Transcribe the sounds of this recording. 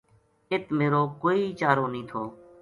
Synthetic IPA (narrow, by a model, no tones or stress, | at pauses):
ɪt̪meːɾoːkoːiːt͡ʃaːɾoːnĩːt̪ʰoː